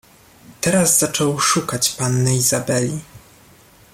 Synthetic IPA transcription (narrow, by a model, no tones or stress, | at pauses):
t̪ɛɾazzat͡ʂɔwʂukat͡ɕpanːɘizabɛlʲi